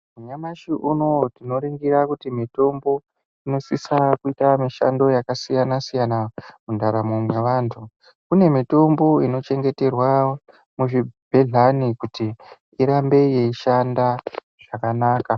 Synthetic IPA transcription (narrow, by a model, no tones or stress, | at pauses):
muɲamaʃiʔuno̞tino̞ɾiŋɡiɾakutimito̞mbo̞ | ino̞sisakuitamiʃa̰ndo̞jakasijanasijanamundaɾamumweʋaːntʰu | kune̞mito̞mbo̞ino̞t͡ʃe̞ŋɡete̞rwa | muʐibʱeɮanikuti | iɾambe̞je̞iʃanda | ʐ̥akanaːka